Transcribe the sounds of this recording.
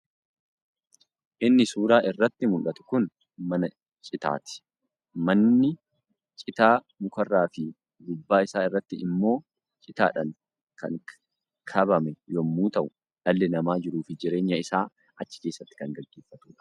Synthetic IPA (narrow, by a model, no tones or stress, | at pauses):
ʔɪnːɪsuːɾaːʔɪrːɐt̪ːɪmʊlʔɐt̪ʊ̥kʊn | mɐnɐ | t͡ʃʼɪt̪a̰ːt̪ɪ̥ | mɐnːɪ | t͡ʃʼɪt̪aː | mʊkɐrːaːfɪ | ɡ̪ʊbːaːɪsaːɪrːɐt̪ːɪɪmːo̞ː | t͡ʃʼɪt̪a̰ːᶑɐŋ | kɐ̰ŋ | kʰɐbɐmɛjɔmːuːt̪ɐʔʊ | ᶑɐlːɛnɐmaːd͡ʒɪɾuːfɪd͡ʒɪɾe̞ːɲːɐɪsaː | ɐt͡ʃːɪ̥ke̞ːsːɐt̪ːɪ̥kɐŋɡɐɡːe̞ːfːɐt̪uːᶑɐ̥